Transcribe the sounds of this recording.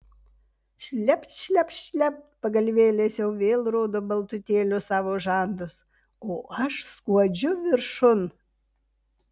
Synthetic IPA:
ʃʲlʲɛpʲt̪ʃʲlʲɛpʃʲlʲɛp̚tpɐɡɐlʲʋʲeːlʲeːsjɛʊʋʲeːlˠɾoːd̪oːbɐlˠt̪ʊt̪ʲeːlʲʊsɑːʋoːʒɑˑnd̪ʊs | oːʔɐʃskuɔd͡ʒʲʊʋʲɪɾʃʊn

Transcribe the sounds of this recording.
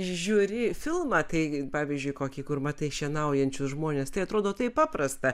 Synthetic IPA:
ʒʲuːɾʲɪfʲɪlˠmɑːt̪ɐɪpɑːʋʲizʲd͡ʒʲʊɪkoːkʲiːkʊrmɐt̪ɐɪʃʲɛnɐʊjɛnʲt͡ʃʲʊsʒmoːnʲeːst̪ɐɪɐt̪ɾoːd̪oːt̪ɐɪppɑːprɐst̪ɐ

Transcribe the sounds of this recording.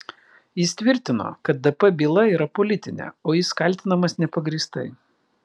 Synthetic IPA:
jɪst̪ʲʋʲɪɾʲt̪ʲɪno̰ːkɐt̪̚d̪ɐpɛbʲiːlˠɐiːɾɐpɔlʲɪt̪ʲɪnʲɛ̰oːjɪskɐlʲt̪ʲɪnɐmɐsnʲɛpɐɡɾʲiːst̪ɐɪ

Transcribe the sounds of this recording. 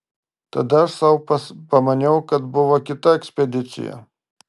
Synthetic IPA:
t̪ɐd̪ɐʃsɐwɐpɐmɐnʲɛʊkɐt̪bʊʋoːkʲɪt̪ɐɛksʲpʲɛd̪ʲɪt̪sʲɪ̰jɛ̰

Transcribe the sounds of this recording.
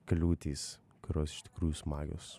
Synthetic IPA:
kɐlʲuːt̪ʲiːs | kʊɾʲoːsɪ̥ʃt̪ʲɪ̥kɾuːjuːsmɑːɡʲo̰ːs

